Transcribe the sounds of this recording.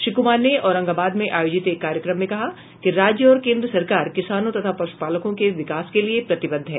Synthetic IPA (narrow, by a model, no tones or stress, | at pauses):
ʃɾiːkʊmaːɾneɔːɾɐ̃ŋɡaːbaːd̪mẽʔaːjoːd͡ʒɪt̪eːkːaːɾjəkɾəmːẽkɐɦa | kiɾaːd͡ʒjəɔːɾkẽːnd̪ɾəsɐɾkaːɾkɪsaːnõt̪ɐt̪ʰapɐɾʃu̥paːləkõkeʋɪkaːskeliepɾɐt̪ɪbə̃nd̪ʱɦɛː